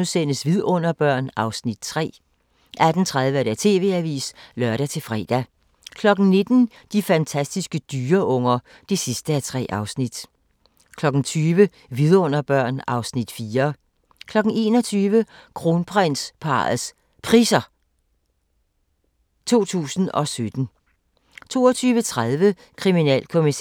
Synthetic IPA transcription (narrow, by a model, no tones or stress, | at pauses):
usen̰əsʋiðˠɔ̽n̰ɐb̥ɶɐ̰nɑ̈ʊsnid̥t͡sʰʁɛ̰ː | ʔæd̥n̩t͡sʰʁað̞ˠʋəɾ̥æt͡sʰe̝̰ːʋe̝̰ːæʋḭːslɶɐɾæt͡sʰe̝lfʁɛ̰ːd̥æ | kʰlɒ̽ɡ̥n̩ne̝d̥n̩ | d̥ifænt͡sʰæsd̥isɡ̥əd̥yːɐʔɔ̽ŋ̰ɐ | d̥e̝sisd̥əæt͡sʰʁɛ̰ːʔɑ̈ʊsnid̥ | kʰlɒ̽ɡ̥n̩t͡sʰyːʋə | ʋiðˠɐɔ̽n̰ɐb̥ɶɐ̰nɑ̈ʊsnid̥fiːɐ | kʰlɒ̽ɡ̥n̩e̝̰ːnɒt͡sʰyːʋəkʰʁo̝npʰʁɛn̰spʰɑ̰̈s | pʰʁiːsɐ | t͡sʰo̝̰ːt͡sʰṵːsn̩ɒ̽sød̥n̩ | t͡sʰo̝ːɒt͡sʰyːʋət͡sʰʁaðˠʋə | kʰʁiminɛ̰ːlkʰo̝mis